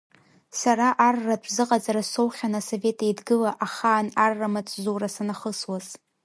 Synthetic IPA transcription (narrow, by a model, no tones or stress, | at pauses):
saɾaʔarːatʷʰzɨqʼad͡zaɾaso̞wχʲanaso̞ve̞tʰajdɡɨlaʔaχaːnarːamat͡sʼzuwɾasanaχəswaz̥